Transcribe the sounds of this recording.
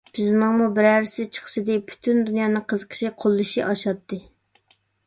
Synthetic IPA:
b̥yznɨŋmubɪɾæɾɪsɪt͡ʃʰə̥χʃɨd̪ɪpʰy̥t̪ʰynd̪unjɑːnɨŋqʰəzəqʰə̥ʃiqʰolˠːɨʃiʔɑʃɑt̪ːɨ

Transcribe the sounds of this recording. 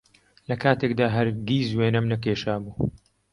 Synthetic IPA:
lɐkʰaːt̪ʰekd̪aːɦɐɾɡiːzweːnɐmnɐkeːʃaːbuː

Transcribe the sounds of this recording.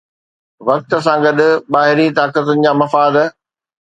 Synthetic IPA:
ʋɐk̚t̪ə̆s̬ãɡɐɗʊ̆ɓaːɦɪɾit̪aːkət̪ʊnɪ̆d͡ʑaːmɐfaːd̪

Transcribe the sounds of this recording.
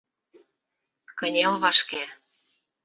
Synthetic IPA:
kə̆nʲelβɑʃke

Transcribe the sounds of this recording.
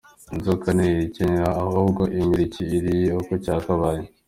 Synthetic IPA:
inzokaneiɾicenɾaːhuːbɡoʔimbiɾiciːɾijeokocaːkaβaːɲe

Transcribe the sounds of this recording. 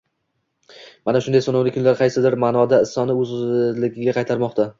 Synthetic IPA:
manaʃʊnd̪ajsɒnɒwlɪkʰʊnlaɾqʰɑjsɪd̪ɪɾmaːnɒd̪aɪsːɒnɪɵzlɪɡʲɪɡʲaqʰɑjt̪ʰaɾmɒqt̪a

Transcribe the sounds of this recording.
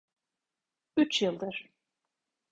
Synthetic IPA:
yt͡ʃjɯlˠd̪ɯɾ̥

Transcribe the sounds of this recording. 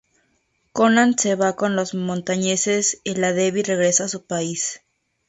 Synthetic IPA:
konãnseβako̞nlo̞zmõ̞nt̪aɲeseselaðeβire̞ɣɾe̞saːsupais

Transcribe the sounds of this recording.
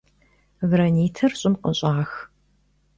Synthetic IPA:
vɾɐniːtʰɐrɕʼɪmqʼə̰ɕʼaːx

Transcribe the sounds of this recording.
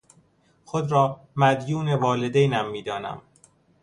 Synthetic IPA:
xod̪ɾɒː | mæd̪juːne̞vɒːle̞d̪ejnæmːiːd̪ɒːnæ̰m

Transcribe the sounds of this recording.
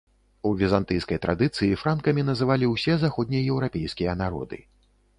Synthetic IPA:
uvʲizant̪ɨjskɐjt̪ɾad̪ɨt̪sɨjifɾankɐmʲinɐzɨvalʲiwsʲɛzaxɔd̪ʲnʲijɐjɛwɾapʲejskʲijɐnaɾɔ̰d̪ɨ̰

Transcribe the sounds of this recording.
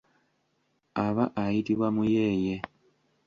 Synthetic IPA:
aβaʔajitiβwamujeje

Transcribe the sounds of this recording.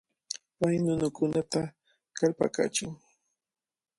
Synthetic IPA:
pajnʊnʊkʊnat̪a | kalpa̰ka̰t͡ʃʊŋ

